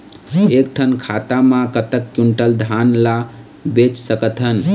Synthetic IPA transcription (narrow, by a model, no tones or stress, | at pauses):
ek̚ʈʰənkʰat̪amãkət̪əkːjuɳʈəld̪ʱanla | bet͡ʃsəkət̪ʰɦən